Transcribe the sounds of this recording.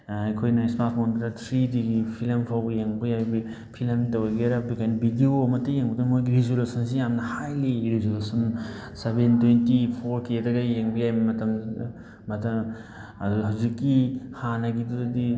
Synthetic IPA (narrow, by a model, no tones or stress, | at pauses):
ɐjkʰojnɐsmatʰmʰondɾɐtʰɾidiɡipʰilmpʰawɡɐjeŋbɐjajbi | pʰilmtɐweɡeɾabikajnbiɡioɐmɐtːɐjeŋbɐdunmojɡiɾezolusɐns̬ijamnɐhajliɾezolusɐnsebentwentipʰoɾkedɐɡɐjeŋbɐjajbɐmɐtɐmː | ɐtɐm | ɐduɦawzikːihanɐɡidudɐdi